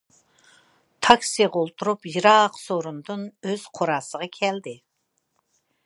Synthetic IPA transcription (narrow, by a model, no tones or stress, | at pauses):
t̪ʰɑksijʁɑolˠt̪ʰuɾupjiɾɑqsoɾund̪ɨnøz̥qʰoɾɑːsəʁɑkʲʰɛld̪ɪ